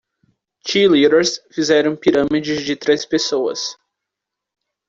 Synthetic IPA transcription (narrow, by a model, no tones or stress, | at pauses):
t͡ʃiliɾeɾsfizɛɾɐ̃w̃piɾɐ̃mid͡ʒɪzd͡ʒɪt̪ɾespesowɐ̰s